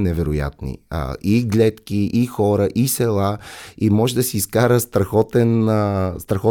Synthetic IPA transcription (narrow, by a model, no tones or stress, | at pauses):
nɛvɛɾʊja̰t̪nḭiɡlʲɛt̪kiʔixɔɾəʔisɛlˠaimɔʒɛd̪ɐsiːskaɾəst̪ɾɐxɔt̪ɛnst̪ɾɐxɔ